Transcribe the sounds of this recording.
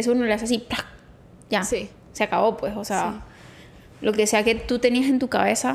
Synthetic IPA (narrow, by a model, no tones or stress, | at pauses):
es̬ounoleas̬as̬iplak̚ | ʝasi | seakaβo̞pwe̞so̞sea | lo̞ke̞se̞ake̞t̪ut̪e̞niase̞nt̪ukaβe̞sa